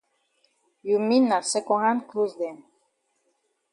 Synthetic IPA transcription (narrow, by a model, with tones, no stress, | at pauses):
ju˨mi˦nːa˨sɛ˦kɔ˧ɦã˦nklu˦zd̪ɛ˨n